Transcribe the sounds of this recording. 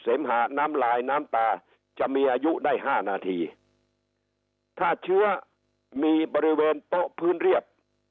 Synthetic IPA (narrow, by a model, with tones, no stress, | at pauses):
seː˩˦mɦaː˩˦naː˦˥mlaː˧jnaː˦˥mt̪aː˧ | t͡ɕa˨˩ʔmiː˧ʔaː˧ju˦˥daː˥˩jɦaː˥˩naː˧t̪ʰiː˧ | t̪ʰaː˥˩t͡ɕʰɯ˦˥ɐ | miː˧bɔː˧ɾi˦˥weː˧np̪ɔ˦˥ʔpʰɯː˦˥nɾi˥˩əp̚